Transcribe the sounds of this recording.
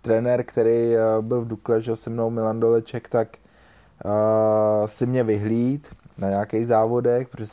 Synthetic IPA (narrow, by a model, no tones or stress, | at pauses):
t̪ɾɛnɛɾkt̪ɛɾejbɪlvduklɛʒɛosɛmnowmɪlandolɛt͡ʃɛkt̪ak | sɪmɲɛvɪɦliːt̪naɲaakejɣzaːvo̞dɛxpɾoɛ